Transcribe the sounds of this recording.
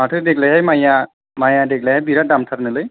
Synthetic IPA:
atʰɯdeklajɦajmaja | majadek̚lajɦajbiɾadamtʰaɾnɯlɯj

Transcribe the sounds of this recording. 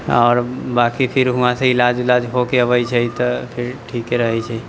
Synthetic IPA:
ɔːɾbaːkipʰɪɾɦʊãseɪlaːd͡ʒɪlaːd͡ʒɦokeəʋəit͡ʃʰɛit̪ɔpʰɪɾʈʰiːkeɾəɦɛt͡ʃʰəi

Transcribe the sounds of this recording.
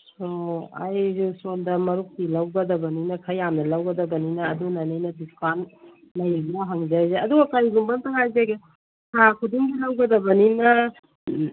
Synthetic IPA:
soa̰jzusoldɐmɐɾuk̚tilɐwɡɐdɐbɐninɐkʰɐjːamnɐlawɡɐdɐbɐninɐːdunanajnɐdiskan | lɐjbaɦaŋzajzeɐduɡɐkajɡumbɐntʰaŋajzaɡe | kʰakʰuduŋɡilawɡɐdɐbɐninɐ

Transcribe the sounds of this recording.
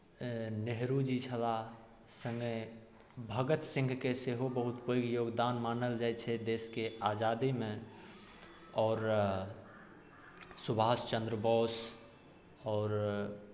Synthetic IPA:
neɦɾud͡ʒit͡ʃʰəla | sə̃ŋɡə | bʱəɡət̪sĩŋɡʱkeseɦobəɦut̪pəjɡjoɡd̪anmanəld͡ʒajt͡ʃʰɛd̪eːskead͡ʒad̪imẽ | ɔːɾ | subʱast͡ʃə̃nd̪ɾəbɔːs | ɔːɾ

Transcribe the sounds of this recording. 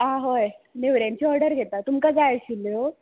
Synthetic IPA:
ãɦojneʋɾjãɲt͡ɕiɔɾɖəɾɡʱet̪at̪umkad͡zajɕilo

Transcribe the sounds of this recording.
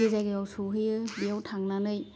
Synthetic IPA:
ɯzajɡɯjɔwsuɦɯɯbiɔwtʰaŋnanɯj

